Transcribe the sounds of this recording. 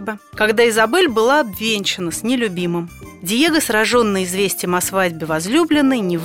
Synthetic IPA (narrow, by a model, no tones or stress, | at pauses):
bəkɐɡd̪aɪzɐbɛlʲbɨlˠaɐbvʲenʲt͡ɕɪnəsʲnʲɪlʲʊbʲimɨmdʲɪjeɡəsɾɐʐo̞nːəjɪzvʲesʲtʲɪjəmɐsvadʲbʲɪvɐzlʲublʲɪnːəjnʲɪv